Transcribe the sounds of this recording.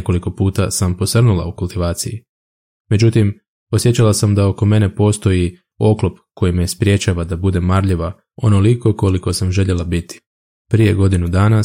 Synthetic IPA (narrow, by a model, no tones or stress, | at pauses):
ko̞liko̞puːt̪asampo̞sr̩nulˠa̰ukulˠt̪iʋaːt̪siji | me̞d͡ʑut̪im | o̞sjet͡ɕalasamd̪ao̞ko̞me̞ne̞po̞ːst̪o̞ji | o̞klˠo̞pkʰo̞jimespɾʲje̞t͡ɕaːʋad̪abud̪e̞mːaɾʎeʋa | o̞noliko̞ko̞liko̞samʒe̞ʎe̞lˠabit̪i̥ | pɾije̞ɡo̞d̪inud̪aːna